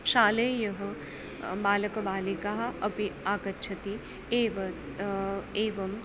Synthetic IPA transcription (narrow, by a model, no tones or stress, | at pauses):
ʃaːlejɐɦɐ | baːlɐkɐbaːlikaɦɐɐpiaːkɐtːt͡ʃʰɐt̪i | eːʋɐ | eːʋɐm